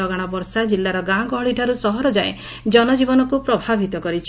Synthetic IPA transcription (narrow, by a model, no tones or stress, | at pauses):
ɔɡaɽ̃ɔbɔɾsad͡ʒilːaɾɔɡãɡɔɦɭiʈʰaɾusɔɦɔɾɔd͡ʒae | d͡ʒɔnɔd͡ʒibɔnɔkupɾɔbʱabʱit̪ɔkɔɾit͡ʃʰi